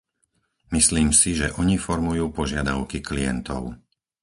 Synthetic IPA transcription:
misliːmsiʒɛʔɔɲifɔɾmujuːpɔʒɪad̪aʊkiklijɛ̰nt̪ɔ̰ʊ

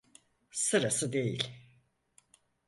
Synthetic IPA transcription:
sɯɾasɯd̪e̞jḭlʲ

